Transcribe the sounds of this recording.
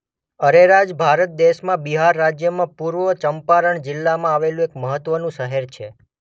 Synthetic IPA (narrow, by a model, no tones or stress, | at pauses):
əɾeɾad͡ʒbʱaɾət̪̚d̪eʃmãbiɦaɾːad͡ʒjəmãpuɾʋət͡ʃəmpaɾəɳd͡ʒɪlːamãaʋelũekməɦət̪ʋənũʃəɦeɾt͡ʃʰe